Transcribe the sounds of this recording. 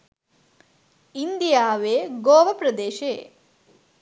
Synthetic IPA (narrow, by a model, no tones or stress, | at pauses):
ind̪ijaːʋeːɡoːʋɐpɾɐd̪eːʃeː